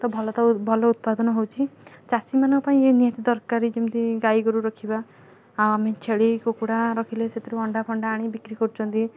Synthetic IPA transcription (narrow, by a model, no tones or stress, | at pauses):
t̪ɔbʱɔlɔt̪ɔbʱɔlɔut̪̚pad̪ɔnɔɦowt͡ʃʰit͡ʃasimanɔ̃kɔpaĩenijat̪id̪ɔɾkaɾid͡ʒemt̪iɡaiɡuɾuɾɔkʰiba | awamet͡ʃʰeɭikokuɽaɾɔkʰileset̪ʰiɾuɔɳɖapʰɔɳɖaːɽ̃ibikɾikɔɾut͡ʃʰɔnt̪i